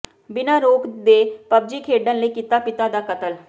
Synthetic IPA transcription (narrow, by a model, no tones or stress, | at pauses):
bɪnaɾoːkd̪eːpɐb̚d͡ʒikʰeːɖənlekɪt̪apɪt̪ad̪akət̪əl